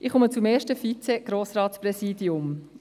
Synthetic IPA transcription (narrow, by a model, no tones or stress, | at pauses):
ʔɪχʊmət͡sʊmeːɾʃtəfit͡sɛɡ̥ɾoːsɾɑːtspɾɛsiːdiʊm